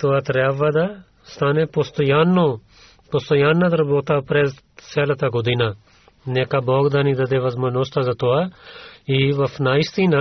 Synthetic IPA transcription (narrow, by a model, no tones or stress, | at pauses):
t̪oat̪ɾɛʋad̪ɐ | st̪anepost̪ojanːo | pɔst̪ojaːnːad̪ɐɾɐboːt̪apɾeːz | sɛːlɐt̪aɡod̪ina | nekabɔːɡd̪anid̪ɐd̪eʋɐzmɐnost̪azɐt̪oa | iʋɐfnaːist̪ina